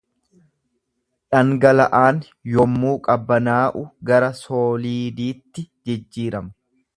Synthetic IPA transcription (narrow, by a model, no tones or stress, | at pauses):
ᶑɐŋɡɐlɐʔaːn | jɔmːuːkʼɐbːɐnaːʔʊɡɐɾɐsoːliːd̪iːt̪ːɪd͡ʒɛd͡ʒːiːɾɐm